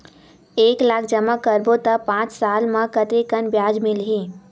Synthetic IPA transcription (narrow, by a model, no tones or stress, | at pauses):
eːklaːk̚ʰd͡ʒɐmakəɾbot̪əpãːt͡ʃsaːlmãkət̪ɾekənbjaːd͡ʒmɪlɦẽː